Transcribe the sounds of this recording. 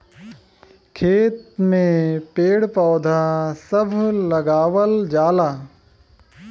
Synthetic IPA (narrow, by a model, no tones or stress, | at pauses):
kʰeːt̪̚mẽpeːɽpɔːd̪ʱasɐbʱlɐɡaːwəld͡ʒaːlaː